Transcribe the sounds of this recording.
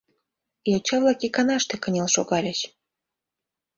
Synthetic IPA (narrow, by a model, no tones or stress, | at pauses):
jolt͡ɕɑβlˠɑkikɑnɑʃt̪ekə̆nʲelʃoɣɑlʲəɕ